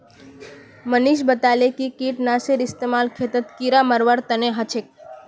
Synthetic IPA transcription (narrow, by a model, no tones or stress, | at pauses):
məniʃbət̪alekikiʈnaseɾɪst̪emalkʰet̪ət̪kiɾaməɾʋaɾt̪əneɦət͡ʃʰek̚